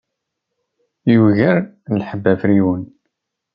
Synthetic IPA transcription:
juɣəɾlħəbːæfɾiwən

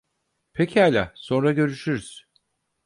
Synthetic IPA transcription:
pʰecʰialʲaso̞nɾaɟø̞ɾyʃyɾyz̥

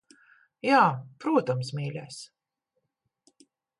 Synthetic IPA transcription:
jaːpɾuɔt̪ɐmsmʲiːlʲæːs

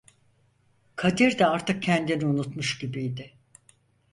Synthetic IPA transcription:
kʰad̪iɾd̪ɛaɾt̪ʰɯk̚cʰɛnd̪iniunut̪muʃɟibijd̪ɪ

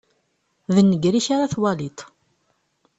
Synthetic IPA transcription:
ðənːəɡɾiçaɾaθwɑlit̪ˤ

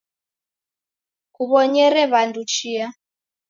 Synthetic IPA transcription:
kuβɔɲɛɾɛβandut͡ʃia

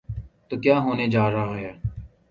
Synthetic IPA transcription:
t̪oːkjaːɦoːneːd͡ʒaːɾaːɦɦɛː

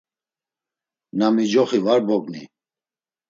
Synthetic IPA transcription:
namid͡ʒɔχivaɾbɔɡni

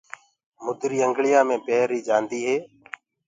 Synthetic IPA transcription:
mʊd̪ɾiːəŋɡɭɪjãːmẽːpeːɾiːd͡ʒãːnd̪iːɦeː

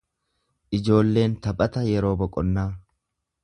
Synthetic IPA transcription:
ʔɪd͡ʒo̞ːlːe̞ːnt̪ɐpʼɐt̪ɐjɛɾo̞ːbɔkʼɔnːaː

